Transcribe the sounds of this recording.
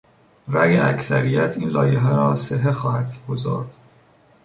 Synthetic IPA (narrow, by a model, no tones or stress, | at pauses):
ɾæjeæcsæɾijæt̪ʰiːnlɒːjeɦæɾɒːseɦexɒːhæd̪ɡ̥ozɒ̰ːɾd̪̥